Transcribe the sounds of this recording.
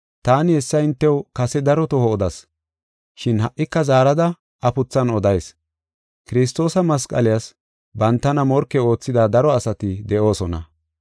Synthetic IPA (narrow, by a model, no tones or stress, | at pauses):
t̪aːnɪhɛsːɐɪnt̪ːɛwkɐsɛd̪ɐɾɔt̪ɔhɔːd̪ɐs | ʃɪnhɐʔːɪkːɐzaːɾɐd̪ɐ | ɐpʊt͡sːɐnɔd̪ɐjs | kɪɾɪs̬t̪o̞ːsɐmɐskʼɐ̰lɪjas | bɐnt̪ːɐnɐmɔɾkːɛo̞ːt͡sːɪd̪aːd̪ɐɾɔɐsɐt̪ɪd̪ɛʔo̞ːsɔnɐ̰